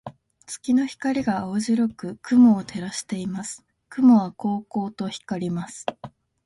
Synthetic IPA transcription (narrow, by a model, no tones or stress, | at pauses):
t͡sɨ̥kʲino̞çi̥kaɾʲiɡaːoʑiɾo̞kɯ̟kɯ̟moːt̪ʰe̞ɾaɕi̥t̪e̞imasɨ̥ | kɯ̟moβ̞ako̞ːko̞ːt̪o̞çi̥kaɾʲimasɨ̥